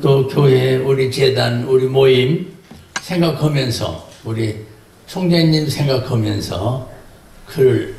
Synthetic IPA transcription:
t͈okjoɦe̞uɾit͡ɕedanuɾimoimsʰe̞ŋɡakʰʌmjʌnsʰʌ̰uɾi | t͡ɕʰoŋd͡ʑeɲimsʰe̞ŋɡakʰʌmjʌ̰nsʰʌ̰ | kɯɾɭ

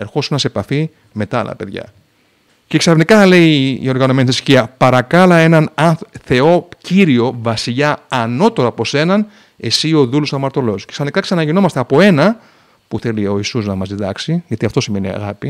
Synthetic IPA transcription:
e̞ɾxo̞sunɐse̞pɐfi | me̞t̪ɐɐ̰lɐ̰pe̞ðʝɐ̰ | ce̞ksɐfnikɐle̞iḭo̞ɾɣɐnome̞niθisçiɐpɐɾɐkɐlɐe̞nɐnɐθθe̞o̞ciɾio̞vɐsiʎɐːno̞t̪o̞ɾɐpo̞se̞nɐn | e̞sio̞ðulosɐmɐɾt̪o̞lo̞sce̞ksɐfnikɐksɐnɐʝino̞mɐst̪e̞ɐpo̞e̞nɐ | puθe̞lio̞isuznɐmɐzðiðɐksiʝɐt̪iɐft̪o̞sime̞niɐ̰ɣɐpi

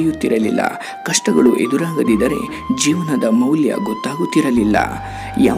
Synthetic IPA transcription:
jut̪ːiɾɐlilːɐ̰ | kɐʂʈɐɡɐɭuʔe̞d̪uɾaːɡɐd̪id̪ɐɾe̞̰ | d͡ʒiːʋɐnɐd̪ɐmɐwljɐ̰ɡɔt̪ːaːɡut̪ːiɾɐlilːɐ̰ | ja̰ː

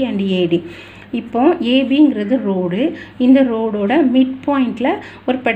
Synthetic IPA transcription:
ɐɳɖieːɽi | ɪpːõːeːbiɪŋɡɪɾɐðɯɾoːɽɯɪnd̪ɐɾoːɽoːɽɐmɪʈpaːjɪɳʈɪlɐ | ɔɾɯpɛɽ

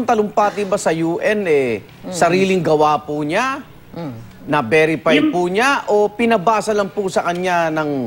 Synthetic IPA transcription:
ŋt̪ɐlʊmpaːt̪ɪbasɐjuːʔɛnɛ | sɐɾiːlɪŋɡɐwaːpʊɲa | nɐbɛɾɪpajpuɲaʔo̞pɪnɐbaːsɐlɐŋpʊsɐkɐɲanɐŋ

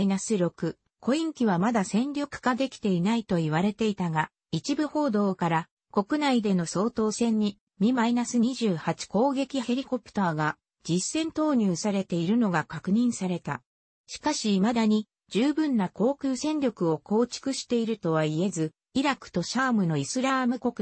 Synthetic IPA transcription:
inasɨɾʲo̞kɯ̟ | kʰo̞ĩŋkʲiβ̞amad̪asẽ̞nɾʲo̞kɯ̟̥kad̪e̞kʲi̥t̪e̞inait̪o̞iβaɾe̞t̪e̞it̪aɡa | it͡ɕibɯ̟ho̞ːd̪o̞ːkaɾa | ko̞kɯ̟naid̪e̞no̞so̞ːt̪o̞ːsẽ̞ɲ̟ːi | mʲimainasɨɲiʑɨːhat͡ɕi̥ko̞ːɡe̞kʲihe̞ɾʲiko̞pɯ̥t̪aːɡa | d͡ʑisːẽ̞nt̪o̞ːɲ̟ɨːsaɾe̞t̪e̞iɾɯ̟no̞ɡakakɯ̟ɲ̟ĩɰ̃saɾe̞t̪a̰ | ɕi̥kaɕiːmad̪aɲ̟i | d͡ʑɨːbɯ̟̃nːako̞ːkʲɯːsẽ̞nɾʲo̞kɯ̟o̞ko̞ːt͡ɕi̥kɯ̟ɕi̥t̪e̞iɾɯ̟t̪o̞β̞aie̞zɨ | iɾakɯ̟̥t̪o̞ɕaːmɯ̟no̞isɨɾamɯ̟ko̞kɯ̟

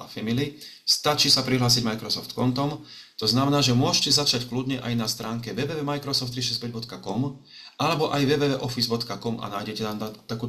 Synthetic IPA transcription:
a̰fɛmili | st̪at͡ʃiːsapɾiɦlaːs̬iɟmajkɾɔsɔft̪kɔnt̪ɔm | t̪ɔznamɛnaːʒɛmʊɔʃcɛzat͡ʃacklud̪ɲɛʔa̰jnast̪ɾaːŋkɛʋɛʋɛːʋɛːmajkɾɔsɔft̪ːɾiʃ̬ɛzpɛɟbɔt̪kakɔm | ʔalɛbɔʔajʋɛʋɛːʋɛːʔɔfizbɔt̪kakɔmʔa̰naːjɟɛcɛnamt̪akuː

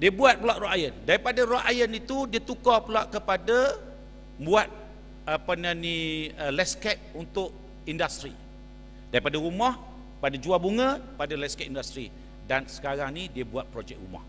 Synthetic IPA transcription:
diəbuat̪̚pəlaʔroajəndaɾipadaɾoajənit̪udiət̪ukɔpəlaʔkəpada | buat̪̚ | apənəniəlɛskɛk̚unt̪ʊʔ | indast̪ɾi | daɾipadəɾumɔh | padad͡ʒuabuŋə̃padalɛskɛʔ̚indast̪ɾḭ | dansə̥kaɾaŋnidiəbuat̪̚pɾod͡ʒɛk̚rṵmɔ̰h

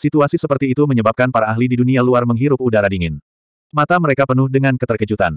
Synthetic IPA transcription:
sit̪uasisəpərt̪iːt̪uməɲəbap̚kanpaɾaːɦlididunialuarməŋɦiɾʊp̚udaɾadiŋɪn | mat̪aməɾekapənʊhdəŋankət̪ərkəd͡ʒut̪a̰n

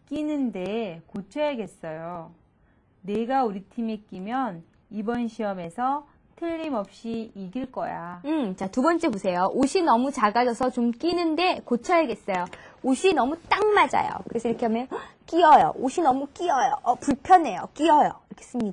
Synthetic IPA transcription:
k͈inɯnde̞kot͡ɕʰʌjeɡe̞s͈ʌjo | ne̞ɡauɾitʰimek͈imjʌn | ibʌnɕʰiʌme̞sʰʌ | tʰɯʎːimʌp̚ɕ͈iiɡiɭk͈ʌ̰ja̰ɯt͡ɕatubʌnt͡ɕ͈e̞posʰe̞joʔoɕʰinʌmut͡ɕaɡad͡ʑʌsʰʌt͡ɕomk͈inɯnde̞kot͡ɕʰʌjeɡe̞s͈ʌjooɕʰinʌmut͈aŋmad͡ʑa̰jo̰kɯɾesʰʌiɾʌkʰeɦamjʌnk͈iʌjo̰ʔoɕʰinʌmuk͈iʌjo̰ʌpuɭpʰjʌne̞jo̰k͈iʌjoiɾʌkʰe̥s͈ɯmɲida

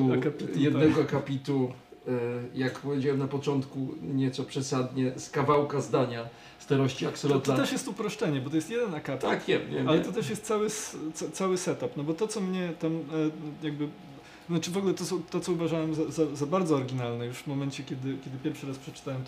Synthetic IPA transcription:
uakapʲit̪jɛd̪nɛɡɔakapʲit̪u | jakpɔvʲjed͡ʑawɛmnapɔt͡ʂɔnt̪kuɲɛt̪sɔpʂɛsad̪ɲɛskavawkazd̪aɲa | st̪aɾɔɕt͡ɕia̰ksɔɔt̪ɔat̪ɛʂjɛst̪upɾɔʂt͡ʂɛɲɛbɔt̪ɔjɛst̪jɛd̪ɛnakapʲakɛɲɛallɛt̪ɔt̪ɛʂjɛst̪̚sawɘst̪sɔt̪sawɘsɛt̪apnɔbɔt̪ɔt̪sɔmɲɛt̪amjaɡ̚bɘ | znat͡ʂɘvɔɡlɛt̪ɔsɔt̪ɔtsɔuvaʐawɛmzazazabaɾd̪zɔːɾɡʲinalnɛjuʂvmɔmɛnt͡ɕɛkʲɛd̪ɘkʲjɛd̪ɘpʲjɛɾfʂɘɾaspʂɛt͡ʂt̪awɛmt̪

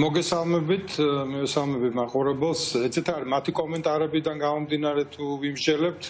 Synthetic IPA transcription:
mɔɡɛsalˠmɛbit̪ʰmɛvɛsalˠmɛbit̪ʰmaqʼuɾɛbɛlˠsɛt̪sʰit̪ʰaɾimat̪ʰikʼɔmɛnt̪ʼaɾɛbid̪anɡamɔmd̪inaɾɛt̪ʰuvimd͡ʒɛlɛp̚t̪ʰ

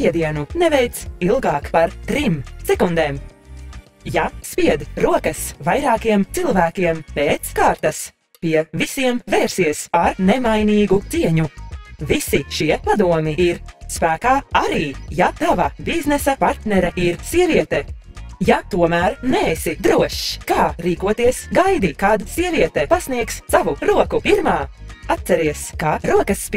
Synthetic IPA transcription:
iɛd̪iɛnunɛvɛjt̪silˠɡɑːkpaɾt̪ɾimsɛkund̪ɛːm | jaspiɛd̪ɾuɔkɐsvajɾɑːkiɛmt̪silˠvæːkʲiɛmpeːt̪skaːɾt̪as | piɛvisiɛmveːɾsiɛsaɾnɛmajniːɡut̪siɛɲuvisiʃiɛpad̪uɔmiiɾspæːkaːaɾiːjat̪avabiznɛsapaɾt̪nɛɾɐiɾsiɛviɛt̪ɛjat̪uɔmæːɾneesid̪ɾuɔʃkaːɾiːkuɔt̪iɛsɡajd̪ikaːd̪asiɛviɛt̪ɛpasniɛkssavuɾuɔkupiɾmaːat̪sɛɾiɛskaɾuɔkɐsːp

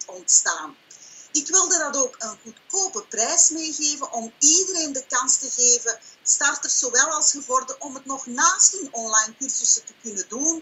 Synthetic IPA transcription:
ɔntstaːnɪkʋɪlˠdədɑtoːkənɣutkoːpəprɛjsmeːɣeːvənʔɔmiːdəɾeːndəkɑnstəɣeːvəstɑrtərz̥oːwɛlˠɑlˠsxəvɔrdəʔɔmətnɔχnaːstənɔnlajnkyrsəsətəkʏnədun

